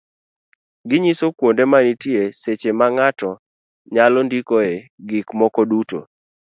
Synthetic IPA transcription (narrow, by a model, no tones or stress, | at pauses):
ɡɪɲisokwondemanitieset͡ʃemaŋatɔ | ɲalɔndikoeɡikmɔkɔduto̰